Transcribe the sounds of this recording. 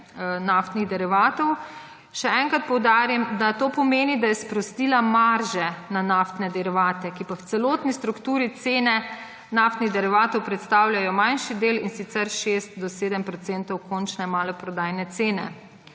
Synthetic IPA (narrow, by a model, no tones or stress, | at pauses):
naft̪niɣd̪ɛɾiʋaːt̪ɔw | ʃɛɛŋkɾat̪̚pɔwd̪aːɾimd̪at̪oːpɔmeːnid̪ajɛspɾɔst̪iːlamaɾʒɛnanaft̪nɛd̪ɛɾiʋaːt̪ɛkipawt̪sɛloːt̪nist̪ɾukt̪uːɾit̪seːnɛ | naːft̪niɣd̪ɛɾiʋaːt̪ɔwpɾɛt̪st̪aːwlʲjajɔmanʃid̪eːlinsit̪sɛɾʃeːst̪̚d̪ɔseːd̪əmpɾɔt̪sent̪ɔwkɔnt͡ʃnɛmaːlɔpɾɔd̪aːjnɛt̪seːnɛ̰